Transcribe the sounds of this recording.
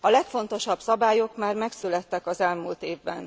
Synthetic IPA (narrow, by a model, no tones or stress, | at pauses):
ɒlɛkfo̞nt̪o̞ʃɒb̥sɒbaːjo̞kmaːrmɛksylɛt̪ːɛkɒzɛlmult̪eːvbɛ̰n